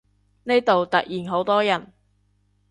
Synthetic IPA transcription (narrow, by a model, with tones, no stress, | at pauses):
ne˥jt̪o˨wt̪ɐ˨k̚jiː˨nɦo˨˥wt̪ɔː˥jɐ˨˩n